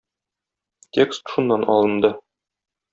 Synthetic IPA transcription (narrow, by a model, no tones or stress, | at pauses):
tʲekst̪ʃunːɑnɒ̰lˠɤ̆nd̪ɤ